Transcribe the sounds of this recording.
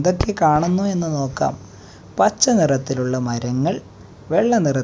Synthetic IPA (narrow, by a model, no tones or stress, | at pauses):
d̪o̞kːekaːɳunːue̞nːɨno̞ːkːa̰ːm | pɐt͡ɕːɐnirɐt̪ːiluɭːɐmɐɾɐŋːɐɭ | ʋe̞ɭːɐnirɐ